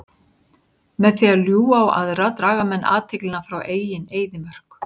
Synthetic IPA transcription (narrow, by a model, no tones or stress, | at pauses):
mɛðθialjuːawʔa̰ðrat̪ɾaːɣamɛnːʔa̰ːt̪ʰɪklɪnafɾawʔeːjjɪneːjðɪmœr̥k